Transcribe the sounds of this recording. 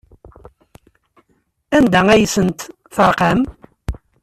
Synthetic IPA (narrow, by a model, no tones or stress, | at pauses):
ænd̪ææjəsənt̪ | θəɾˤqɑm